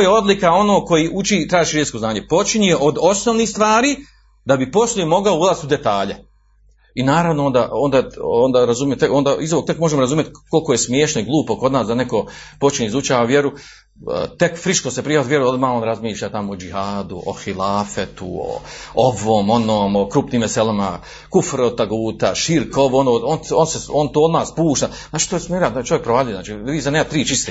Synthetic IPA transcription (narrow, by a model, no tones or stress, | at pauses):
t̪oːjeo̞d̪likao̞noːko̞jiːʔut͡ʃit̪ɾaːʒiʃɾesko̞znaːɲe̞po̞t͡ʃiɲieʔo̞d̪o̞snoːʋniːhst̪ʋaːɾiː | d̪abipo̞slˠuimo̞ɡaouzaːst̪ud̪e̞t̪aːʎe | inaːɾaʋnoond̪aːond̪aːond̪aːɾazumjet̪eo̞ːnd̪aːizoʋok̚t̪ekmo̞ʒemoɾazumjet̪ko̞lˠko̞jesmjeːʃnoiɡlˠuːpo̞ko̞d̪naːsd̪ane̞ko̞po̞t͡ʃiɲeizut͡ʃaːʋaʋjeɾṵ | t̪e̞kfɾiʃkosepɾihot̪ʋjeɾuo̞d̪maːonɾazmiːʃʎat̪amood͡ʒihaːd̪uʔoxilˠaːfet̪ṵo̰oʋoːmo̞noːmokɾuːpniːmʋeselama | kufɾod̪̚t̪aɡuːt̪aʃiɾkoʋonoononseont̪oːod̪naːspuːʃt̪aznaːt͡ʃit̪oːjsmeɾat̪ːt͡ʃo̞ʋjekpɾoʋaʎujenaːt͡ʃiːʋiːsaneːmat̪ɾiːt͡ʃist̪eː